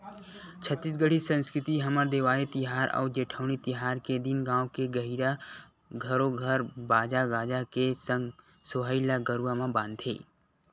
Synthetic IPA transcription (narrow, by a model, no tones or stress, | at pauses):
t͡ʃʰət̪ːiːs̬ɡəɽisə̃nskɾɪt̪iɦəməɾd̪eːʋaːet̪ɪɦaːɾʔɔ̰ːd͡ʒeːʈʰəʊnit̪ɪɦaːɾked̪inɡãːõkeɡəɦiɾa | ɡʱəɾoɡʱəɾbaːd͡ʒaɡaːd͡ʒakesə̃ŋɡ | soɦəilaɡəɾuwamãbãːnd̪ʱʰḛː